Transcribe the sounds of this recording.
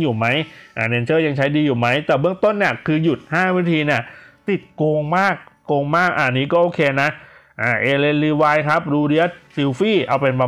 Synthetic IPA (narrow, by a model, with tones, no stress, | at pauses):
juː˨˩ma˦˥jʔaː˨˩ne˧nsʰɤː˥˩ja˧ŋt͡ɕʰa˦˥jdiː˧juː˨˩ma˦˥jt̪ɛː˨˩bɯ˥˩əŋt̪o˥˩nːi˦˥˩əkʰɯː˧ju˨˩t̪̚haː˥˩wiː˦˥t̪ʰiː˧ni˦˥˩t̪i˨˩t̪̚koː˧ŋmaː˥˩k̚ːoː˧ŋmaː˥˩k̚ʔaː˨˩niː˦˥kɔː˥˩ʔoː˧kʰeː˧na˦˥ʔʔaː˧˩ʔeː˧le˧nliː˧waː˧jkʰa˦˥p̚duː˧ɾi˧˥ət̪̚si˧wfiː˥˩ʔa˧wpe˧nba˧